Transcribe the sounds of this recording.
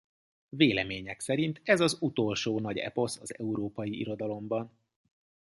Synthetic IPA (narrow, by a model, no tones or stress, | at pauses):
veːlɛmeːɲɛksɛɾint̪ɛzɒzut̪o̞lʃoːnɒɟɛ̰po̞sɒzɛ̰uɾoːpɒjiʔḭɾo̞d̪ɒlo̞mbɒn